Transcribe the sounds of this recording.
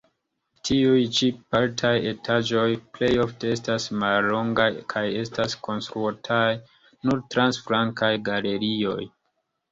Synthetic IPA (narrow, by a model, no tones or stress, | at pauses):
tʰiujt͡ʃipaltʰaje̞tʰad͡ʒo̞jple̞jo̞fte̞e̞stasmalːo̞ŋɡajkʰaje̞staskʰo̞nstɾuatʰaj | nuɾtɾansfɾaŋkajɡale̞ɾio̞̰j